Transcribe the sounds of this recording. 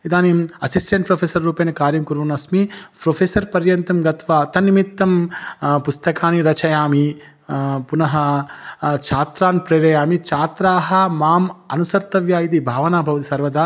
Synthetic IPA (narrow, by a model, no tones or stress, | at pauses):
id̪aːniɐsisʈeɳʈ̚pɾoːpʰeːsɐɾːuːpɐːnɐkaːɾjɐmkuɾʋɐnɐsmipɾoːpʰeːsɐɾpɐɾjɐnt̪ɐmɡɐt̪ʋaːt̪ɐnːimit̪ːɐmpust̪ɐkaːniɾɐt͡ʃɐjaːmi | punɐɦɐ | t͡ʃʰaːt̪ɾaːnpɾeːɾɐjaːmit͡ʃʰaːt̪ɾaːɦɐmaːmɐnusɐɾt̪ɐʋjaːjit̪̬ibʱaːʋɐnaːbʱɐʋɐt̪isɐɾʋɐd̪aː